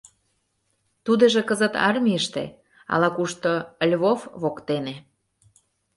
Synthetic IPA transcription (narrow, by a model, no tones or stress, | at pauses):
t̪ud̪ə̆ʒĕkəzə̆t̪ɑ̰rmʲiəʃt̪ḛ | ɑ̰lɑkuʃt̪olʲβofβokt̪ene